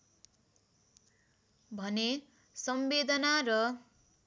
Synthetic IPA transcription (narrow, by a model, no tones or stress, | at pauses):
bʱʌne | sʌmbed̪ʌnarʌ